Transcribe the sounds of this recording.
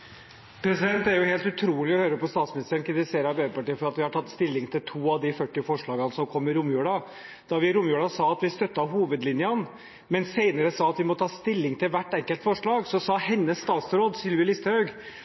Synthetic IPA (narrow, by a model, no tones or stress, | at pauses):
pʰɾɛsɪd̪ɛnt̪æɾjʊheːlt̪ʉt̪ʰɾuːlɪɔhøːɾəpɔst̪ɑːt̪smɪnɪst̪əɾəɳkʰɾɪt̪ɪseːɾɑbeːpɑʈiːəfɔɾɑt̪ʋɪhɑʈʰɑt̪ːst̪ɪlːɪŋt̪ʰɪlt̪ʰuːɑʋd̪ɪfœʈːɪfɔʂɭɑːɡɑnəsɔmkʰɔmːɪɾʊmjʉːɽɑ | d̪̥ɑʋɪɾʊmjʉːɽɑsɑːɑt̪ʋɪst̪œt̪ːɑɦuːʋəd̪lɪnjən | mɛnseɪnəɾəsɑːɑt̪ʋɪmɔt̪ːʰɑːst̪ɪlːɪŋt̪ʰɪlʋæʈːɛŋkəlt̪fɔʂɭɑːɡsɔsɑːhɛnːəsːt̪ɑːt̪sɾoːd̪sɪlʋəlɪst̪əhœʉɡ